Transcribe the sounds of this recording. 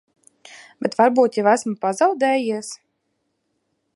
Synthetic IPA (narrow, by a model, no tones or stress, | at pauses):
b̥ʲɛt̪vaɾbuːt̪javæsmɨpazɑwd̪ɛːjiɛs